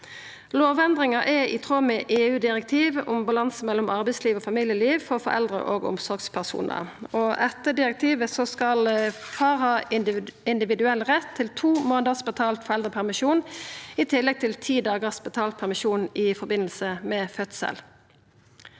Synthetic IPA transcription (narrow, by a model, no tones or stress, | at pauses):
loːʋɛnd̪ʁɪŋɑʔɛʔit̪ʰʁoːmɛʔeːʉːd̪ɪʁɛk̚t̪ʰiːʋʊmbɑlɑnsəmɛlːɔmɑʁbɛɪsliːʋoːfɑmiːljəliːʋfɔʁfɔ̰ɾɛ̰ld̪ʁə̰ʔo̰ːɡɔ̰msɔʁɡspʰæʁsṵːnʔə̰ɔɛt̪ːəd̪ɪʁɛk̚t̪ʰiːʋəsɔskɑl | fɑːʁhɑːɪnd̪ɪʋɪd̪ʉɛlʁɛt̪ʰːɪlt̪ʰuːmoːnəʁsbət̪ʰɑːlt̪fɔʁɛld̪ʁəpʰæʁmɪʃuːnɪt̪ʰɪlːɛɡ̚t̪ʰɪlt̪ʰiːd̪ɑːɡəʁsbət̪ʰɑːlt̪̚pʰæʁmɪʃuːnɪfɔʁbɪnəlsəmɛfœt̪sɛ̰l